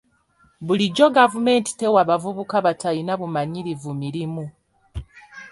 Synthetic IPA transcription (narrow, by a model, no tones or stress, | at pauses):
βuliɟo̞ɡavume̞ːnti̥te̞waβavuβukaβatainaβumaɲiɾivumiɾimu